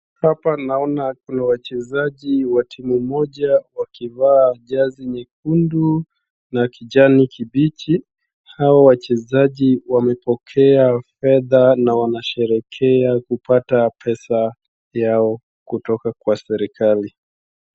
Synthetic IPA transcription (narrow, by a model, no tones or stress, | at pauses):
hapanaɔnakunawat͡ʃɛzaʄiwatʰimumɔʄawakivaːʄaziɲɛk̚undu | nakiʄanikʰiɓit͡ʃi | hawawat͡ʃɛzaʄiwamɛpɔkʰɛafɛðanawanaʃɛɾɛkʰɛakupatapʰɛsa | jaɔ | kutɔkakwasɛɾikʰali